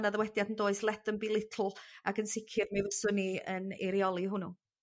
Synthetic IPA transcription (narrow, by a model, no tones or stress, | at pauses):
naðəwɛdjadəndoːɨslˠɛdənbilˠɪtʰl̩ˠakənsɪkʰɪrmivəsʊniənɛ̰ɾjɔlˠiɦʊnu